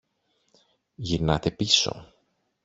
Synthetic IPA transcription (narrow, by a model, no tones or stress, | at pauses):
ʝiɾnɐt̪e̞piso̞̰